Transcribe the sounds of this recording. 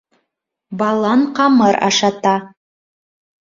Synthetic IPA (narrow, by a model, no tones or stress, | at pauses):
bɑlˠɑɴqɑmɤɾɑ̰ʃɑt̪ɑ